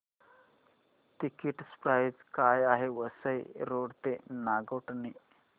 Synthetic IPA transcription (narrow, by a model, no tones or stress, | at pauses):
t̪ikiʈspɾajd͡zkajaɦeʋəsəjɾoɽt̪enaɡəʈni